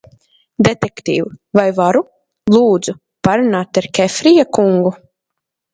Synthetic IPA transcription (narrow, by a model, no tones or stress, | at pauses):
d̪et̪ɛkt̪ḭːwvajvaɾu | lˠuːd̪zu | paɾunaːt̪aɾkʲɛfɾijakuŋɡu